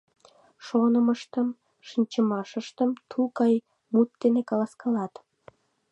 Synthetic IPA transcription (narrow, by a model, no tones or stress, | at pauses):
ʃonəməʃt̪əm | ʃinʲt͡ɕəmɑʃəʃt̪əmt̪ʰukɑj | mut̪ːenekɑlɑskɑlɑt̪